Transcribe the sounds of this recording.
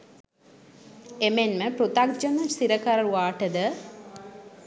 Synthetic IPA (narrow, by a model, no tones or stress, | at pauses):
emenməpɾut̪ak̚d͡ʒɐnəsiɾəkaɾɐɾuʋaːʈəd̪ə